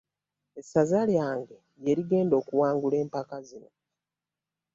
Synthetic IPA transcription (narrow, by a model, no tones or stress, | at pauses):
esazaljaːŋɡe̞ | jeɾiɡe̞ːndo̞ːkuwaːŋɡule̞ːmpakazino̞